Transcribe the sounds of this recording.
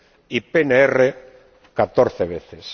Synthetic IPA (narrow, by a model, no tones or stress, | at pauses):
ipeneere | kat̪oɾθeβ̞eθes